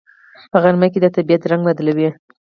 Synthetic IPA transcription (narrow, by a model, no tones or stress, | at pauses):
pəɣaɾmaked̪ət̪abijat̪ɾaŋɡlad̪lawi